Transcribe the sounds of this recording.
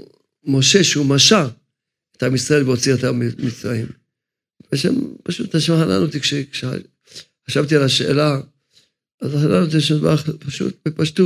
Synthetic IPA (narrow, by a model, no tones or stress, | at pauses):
mo̞ʃe̞ʃeumaʃa | et̪amisʁaelveot͡siat̪amit͡sʁaim | veʃa̰mpaʃut̪aʃmaħana̰not̪ikʃekʃea̰ | ħaʃavt̪ialaʃeḛla | azħananot̪̬iʃavapaʃṵt̪̚bepaʃtu